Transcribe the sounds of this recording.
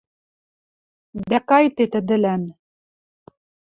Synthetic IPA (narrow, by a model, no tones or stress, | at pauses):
d̪ækɑjt̪et̪ɘ̆d̪ɘ̆læn